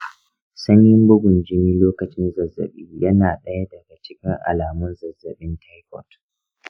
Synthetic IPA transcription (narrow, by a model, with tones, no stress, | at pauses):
sɐ˦ɲjɪ˦mbʊ˦ɡʷʊ˨nd͡ʒɪ˦miː˦loː˦kɐ˨t͡ʃɪ˦nzɐ˨zːɐ̰˨ɓiː˦jɐ˦naː˨ɗɐ˦ja˦dɐ˨ɡa˨t͡ʃɪ˦kʲɪ˦ŋʔa̰˨laː˨mʊ˦nzɐ˨zɐ˨ɓɪ˦ntʰa˦jkɔ̰˦t